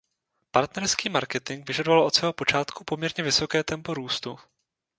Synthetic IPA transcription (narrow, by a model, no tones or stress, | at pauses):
paɾt̪nɛɾskiːmaɾkɛt̪ɪŋɡvɪʒadovalʔo̞t̪svɛːɦo̞po̞t͡ʃaːt̪kupo̞mɲɛɾɲɛvɪso̞kɛːt̪ɛmpo̞ɾuːst̪u